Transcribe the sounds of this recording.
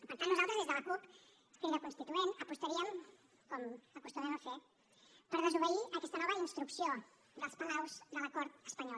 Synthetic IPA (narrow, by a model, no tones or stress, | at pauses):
pəɾt̪anuzalˠt̪ɾəzðezðəlɐkup | k̪iɾəkunst̪it̪uenəpust̪ɐɾiəm | kɔməkust̪umɛməfe | pəɾðəzuβəiʔɐkɛst̪ənɔβəinst̪ɾuksjo | d̪əlˠspəlɛwzd̪əlɐkɔɾt̪əspɐɲɔl